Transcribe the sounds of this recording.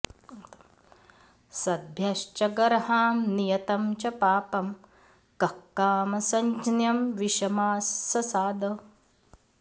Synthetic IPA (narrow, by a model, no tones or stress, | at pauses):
sɐd̪̚ʱbʱjɐʃt͡ʃɐɡɐɾɦaːmnijɐt̪ɐmt͡ʃɐpaːpɐm | kɐkːaːmɐsɐɲt͡ʃnjɐmʋiʃɐmaːsːɐsaːd̪o